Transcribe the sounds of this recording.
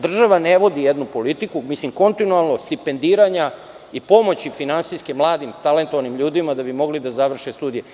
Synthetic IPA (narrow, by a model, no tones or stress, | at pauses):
d̪r̩ʒaʋaneʋo̞d̪ijed̪nupo̞lit̪ikumislimko̞nt̪inualˠnost̪ipe̞nd̪iːɾaɲa | ipo̞mo̞t͡ɕifinansiskemlˠaːd̪imt̪ale̞nt̪oanimʎuːd̪imad̪abimo̞ɡlid̪azaʋr̩ʃest̪uːd̪ije